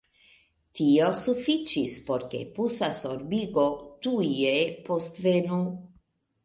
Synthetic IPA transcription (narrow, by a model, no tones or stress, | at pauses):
tio̞sufit͡ʃispo̞ɾkḛpusasoɾbiɡo̞tujepostvenu